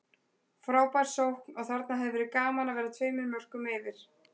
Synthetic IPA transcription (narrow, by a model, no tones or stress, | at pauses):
fɾaːwpajɾ̥sowhknɔɣθaɾt̪naɦɛvvɪɾɪkaːmanavɛːɾɪat̪ʰveːjmɪɾmœr̥kʏmɛːvɪɾ̥